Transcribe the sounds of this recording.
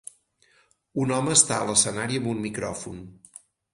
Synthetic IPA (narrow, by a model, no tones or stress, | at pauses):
unɔməːst̪a̰ələsənaɾiəmbummikɾɔ̰fun